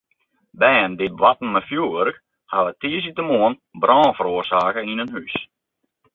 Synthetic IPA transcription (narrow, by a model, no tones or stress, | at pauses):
bɛəndɪʋatn̩mɛfjuəʋørk | haʋətiːəsitəmoən | brɔːnfəɾoərsaːkəinənhys